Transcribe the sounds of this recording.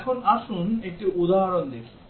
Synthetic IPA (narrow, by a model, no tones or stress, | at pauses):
kʰonaʃunek̚ʈiʔud̪aɦaɾond̪ekʰi̥